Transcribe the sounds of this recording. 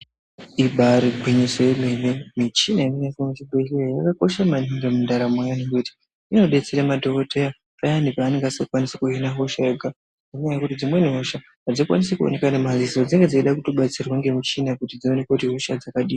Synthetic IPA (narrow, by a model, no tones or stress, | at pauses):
iɓʱaɾiɡʱwiɲisojemenemit͡ʃinaininesimet͡ʃibʱeeajakako̞ʃamaniŋɡemundaɾamwajanikuti̥ | ino̞ɗe̞t͡seɾemadʱokotʰeja | pajanipaːne̞ŋɡasakwanisekuɦinaɦoʃaeɡʱa | ninoajakutid͡zimwe̞niɦoʃa | ad͡zikuwa̰nisekuo̰ne̞kanemaziso̞d͡ziŋɡed͡zaiɗakuto̞ɓat͡sirwaŋɡe̞mut͡ʃinakutid͡zionekatiɦoʃad͡zakaɗiːa